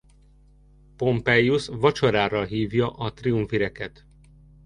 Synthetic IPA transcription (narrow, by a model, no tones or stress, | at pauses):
po̞mpɛjːusʋɒt͡ʃoɾaːrɒlɦiːvjɒʔɒt̪riuɱfiɾɛkɛt̪